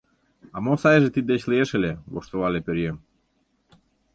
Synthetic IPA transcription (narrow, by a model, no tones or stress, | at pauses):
ɑmosɑjʒet̪id̪ːet͡ɕlieʃelʲeβoʃt̪oβɑlepeɾjem